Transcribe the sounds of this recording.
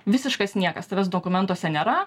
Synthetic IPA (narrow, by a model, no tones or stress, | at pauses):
ʋʲɪsʲɪʃkɐsnʲiɛkɐst̪ɐʋʲɛs̬d̪oːkʊmʲɛnt̪oɔːsʲɛnʲeːɾɐ